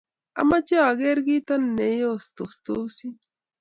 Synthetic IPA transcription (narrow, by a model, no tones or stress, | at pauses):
a̰mat͡ʃaaɣeɾɡit̪anːejost̪ost̪osi